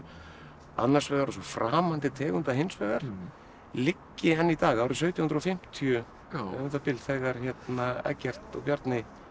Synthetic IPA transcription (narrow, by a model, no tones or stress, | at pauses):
a̰nːaɾ̥svɛɣaɾasɔfɾaːmant̪ɪt̪ʰɛːɣʏnt̪aɦejnsvœɣaɾ̥ | lɪcːɪɛnːit̪aːɣawɾɪsœːɥt̪jɔhnɾɔfɪm̥t̪ʰijʏ | nt̪apɪlt̪θɛɣaɾ̥çɛt̪naɛ̰cːɛr̥t̪ɔ̰pjaɾt̪nɪ